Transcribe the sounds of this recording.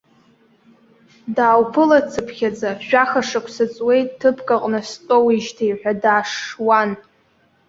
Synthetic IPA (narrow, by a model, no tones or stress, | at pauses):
daːwpʰɨlat͡sʰɨpʰχʲad͡zaʃᶣaχaʂɨkʷʰsɨt͡sʼwe̞jtʼːʰɨpʰkʼaqʼnɨstʼowiʒtʰajħʷᶣadaːʂwan